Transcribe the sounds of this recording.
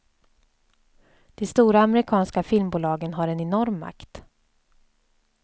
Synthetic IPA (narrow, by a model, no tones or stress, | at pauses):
d̪̥ɛst̪uːɾaːmɛɾɪkʰɑːnskafɪlmbuːlɑːɡənɦaɾɛnɛnɔɾmːa̰kt̪